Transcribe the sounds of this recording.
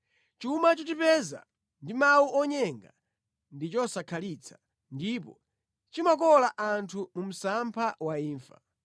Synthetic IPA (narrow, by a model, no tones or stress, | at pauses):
t͡ʃumat͡ʃɔt͡ʃipɛza̰ | ndimawuʔɔɲɛŋɡa̰ | ndit͡ʃɔsakʰalit͡sʰḁ | ndipɔ̰ | t͡ʃimakɔlaʔantʰumum̩sampʰawaiːɱfa̰